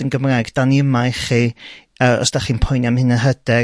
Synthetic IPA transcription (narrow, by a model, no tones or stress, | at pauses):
ənɡəmrajɡd̥aniəmajχiː | əɔ̰sd̥aχiːnpʰɔjnjamhɪnəɦədɛ